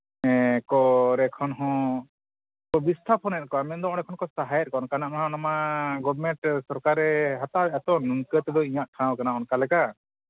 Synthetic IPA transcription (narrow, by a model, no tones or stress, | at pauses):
ɛkɔɾɛkʰɔnɦɔ̃ | pɔbist̪ʰapʰɔnɛt̪̚kɔamɛt̪d̪ɔɔnɛkʰɔnkɔsaɦajɛt̪̚ˀkɔnkanaʔnaɦãnamaɡɔbmɛ̃ɳʈsɔɾkaɾɛɦat̪aɛɛt̪ɔnuŋkɛt̪ɛd̪ɔĩɲaʔʈʰãwkanaɔnkalɛka